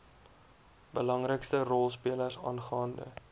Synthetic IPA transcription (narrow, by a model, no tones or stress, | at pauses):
bəlɐŋrəkstərɔlˠspiələrsɑ̰ːnχɑːndə̰